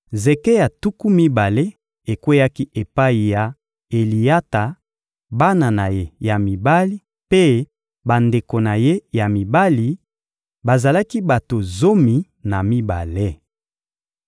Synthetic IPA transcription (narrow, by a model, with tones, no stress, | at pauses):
ze˨ke˦ja˨tu˦ku˦mi˦ba˨le˦ | e˨kwe˦ja˦ki˦ʔe˨pa˦i˨ja˨ | e˨li˨ja˦ta˨ | ba˦na˨na˨je˦ja˨mi˨ba˦li˦ | pe˦ | ba˨nde˨ko˨na˨je˦ja˨mi˨ba˦li˨ | ba˨za˨la˦ki˦ba˨to˨zo˦mi˨ | na˨mi˦ba̰˨le˦